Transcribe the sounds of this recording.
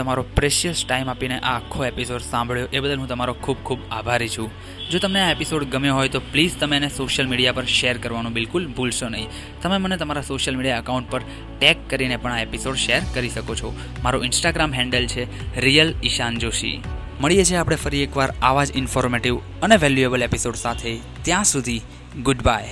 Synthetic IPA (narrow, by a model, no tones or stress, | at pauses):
t̪əmaɾopɾeʃijəsʈaimapineʔaːkʰːoepisoɖsãmbʱɭjoʔebəd̪əlɦũt̪əmaɾokʰub̚kʰubabʱaɾit͡ʃʰũ | d͡ʒot̪əmneaepisoɖɡəmjoɦojt̪oplid͡ʒt̪əmenesoʃəlmiɽijapəɾʃeɾkəɾʋanũbɪlkʊlbʱulʃonəɦĩ | t̪əmemənet̪əmaɾasoʃəlmiɽijaəkaũɳʈ̚pəɾ | ʈekːəɾinepəɳ̃aepisoɖʃeɾkəɾiʃəkot͡ʃʰo | maɾoɪnsʈaɡɾamɦɛ̃ɳɖəlt͡ʃʰeɾijəlɪʃand͡ʒoʃḭ | məɭijet͡ʃʰeapɽ̃efəɾiekʋaɾaʋad͡ʒɪnfoɾmeʈiʋ | əneʋɛljuebəlepisoɖsat̪ʰe | t̪jãsud̪ʱi | ɡʊɖbaj